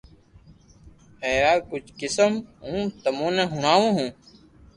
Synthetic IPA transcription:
ɦɛːɾaːkʊd͡ʒʱkɪsəmɦũːt̪əmõːnɛ̃ːɦʊɳ̤aːʋõːɦũː

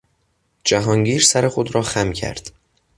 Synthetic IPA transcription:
d͡ʒæɦɒːŋɟiːɾsæɾe̞xod̪ɾɒːxæmcʰæ̰ɾd̪̥

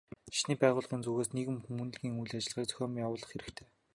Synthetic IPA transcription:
ʃniːpæːʁʊːɮɢiːnt͡suɣeːsneɣɘ̆mxumŭːnɮɣiːŋujɮat͡ɕɪ̆ɮʁiːk̚t͡sœ̥xʲɔːmjawʊːɮə̆χxeɾɘ̆xt̪ʰe̥ː

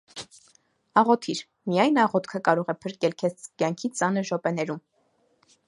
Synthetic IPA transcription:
ɑʁɔt̪ʰiɾ | mijɑjnɑʁɔt̪kʰəkɑɾɔʁɛpʰəɾkɛlkʰɛt͡skjɑŋkʰit͡sɑnəɾʒɔpɛnɛɾum

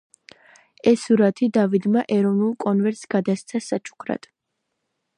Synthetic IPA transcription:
ɛsuɾat̪ʰid̪avid̪maʔɛɾɔvnulˠkʼɔnvɛɾt̪sɡ̥ad̪ast̪sʰasat͡ʃʰu̥kʰɾa̰t̪ʼ

